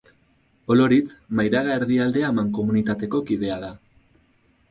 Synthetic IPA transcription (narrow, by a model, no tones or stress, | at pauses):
o̞lo̞ɾit͡smajɾaɣaeɾðiald̪e̞amaŋko̞munit̪at̪e̞ko̞kiðe̞aða